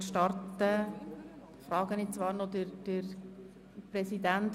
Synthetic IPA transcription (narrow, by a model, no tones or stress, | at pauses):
ʃtɑrt̪ə | fɾɑːɡ̥ənɪt͡sʋɑːɾnod̪əɾd̥əɾ | pɾɛsidænt̪